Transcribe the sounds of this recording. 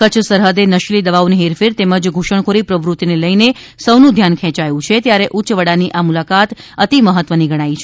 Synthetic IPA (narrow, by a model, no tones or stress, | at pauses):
kət͡ʃʰsəɾɦəd̪enəʃlid̪əʋaʋniɦeɾfiɾt̪eməd͡ʒɡʱuʃəɳ̃kʰoɾipɾəʋɾut̪ineləjne | səwnũd̪ʱjankʰɛ̃t͡ʃajũt͡ʃʰet̪jaɾeʔuːt͡ʃʋəɽaniʔamulakat̪ət̪iməɦət̪ːʋəniɡʱəɽ̃ait͡ʃʰe